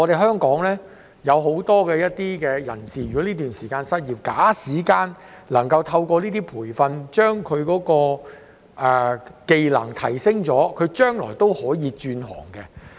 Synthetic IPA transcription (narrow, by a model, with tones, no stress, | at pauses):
ŋɔ˨˧ɾe˨jɦœː˥ŋkɔː˨˥ŋlɛː˥ | jɐ˨˧wɦo˨˥wt̪ɔː˥kɛː˧jɐ˥t̚t̪iː˥kɛː˧jɐ̰˨˩nsiː˨jɥyː˨˩kɔ˨˥liː˥t̪yː˨nsiː˨˩kaː˧nsɐ˥t̚jiː˨p̚kaː˨˥siː˨˩kaː˧n | lɐ˨˩ŋkɐ˧wt̪ʰɐ˧wkɔː˧liː˥t̪iː˥pʰuː˨˩jfɐ˧nt͡ʃœː˥ŋkʰɵ˨˧ɥkɔː˨˥kɔː˧ | ʔɛː˨ke˨˧jlɐ̰˨˩ŋt̪ʰɐ̰˨˩jsɪ˥ŋt͡ʃɔː˨˥kʰɵ˨˧ɥt͡ʃœː˥ŋlɔː˨˩jt̪o˥whɔː˨˥jiː˨˧t͡ʃyː˧nɦɔ̰ː˨˩ŋkɛ˧